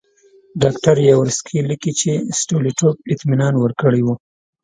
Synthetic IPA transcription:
ɖɑkʈaɾjawɾskʰilikit͡ʃesʈoliʈop̚ɪt̪minɑnwəɾkəɽewu

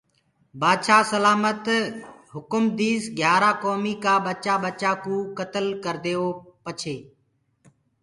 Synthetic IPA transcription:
baːd̪ʃaːsəlaːmət̪ɦʊkʊmd̪iːzɡʱjaːɾaːkoːmiːkaːɓət͡ʃaːɓət͡ʃaːkũːkət̪əlkəɾd̪eːoːpət͡ʃʰeː

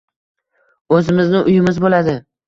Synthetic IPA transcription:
ɵzɪmɪznɪʔʊjɪmɪzbolad̪ɪ

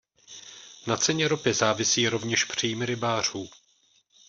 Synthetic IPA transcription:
nat͡sɛɲɛɾopɪzaːvɪsiːɾo̞vɲɛʃpr̝̥iːmɾɪbaːr̝̥uː

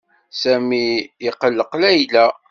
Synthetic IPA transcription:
sæmiiqəlːəqlæjlæ

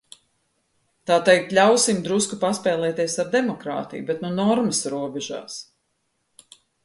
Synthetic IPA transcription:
t̪aːt̪ɛjk̚t̪lʲawsimd̪ɾuskupaspɛːlˠɛːt̪iɛsaɾd̪ɛmɔkɾa̰ːt̪ḭjbɛt̪nunɔɾməsɾuɔbɛʒa̰ːs

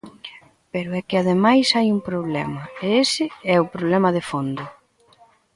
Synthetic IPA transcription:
peɾʊɛkɪaðemajsajuŋpɾoβlɛmɐeesɪɛʊpɾoβlɛmɐðefond̪ʊ

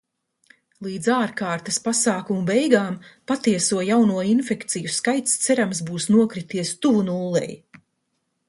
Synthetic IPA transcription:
lˠiːd̪zaːɾkaːɾt̪ɐspasaːkumubɛjɡaːmpat̪iɛsuɔjawnuɔinfɛkt̪sijuskajt̪st̪sɛɾams̬buːsnuɔkɾit̪iɛst̪uvunuːlˠːɛ̰j

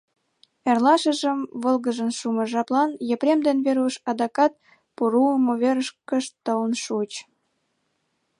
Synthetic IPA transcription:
erlɑʃə̆ʒəmβəlɣəʒənʃuməʒɑplɑnjəpɾʲemd̪enβeɾuʃɑd̪ɑkɑt̪̚ | puɾuəmoβeɾəʃkəʃt̪ələnʃut͡ɕ

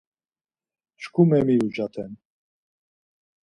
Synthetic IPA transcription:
ʃkʰumɛmiud͡ʒat̪ʰɛn

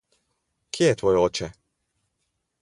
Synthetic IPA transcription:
kʰjejɛt̪ʋɔːjɛoːt͡ʃɛ

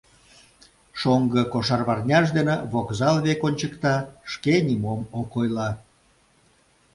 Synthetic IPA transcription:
ʃoŋɡəkoʃɑrβɑrnʲɑʃd̪eneβokzɑlβekonʲt͡ɕəkt̪ɑʃkenʲimomokojlɑ

